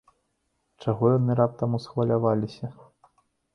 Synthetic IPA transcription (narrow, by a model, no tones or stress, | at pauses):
t͡ʂaɣɔjanɨɾap̚t̪ɐmusxvɐlʲavalʲisʲɐ